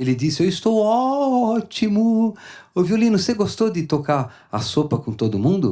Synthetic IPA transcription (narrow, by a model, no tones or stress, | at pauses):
elɪd̪isɪewɪst̪owɔt͡ʃimʊʊviolĩnʊseɡost̪od̪ɪt̪okaɾ | ɐsopɐkõt̪od̪ʊmũnd̪ʊ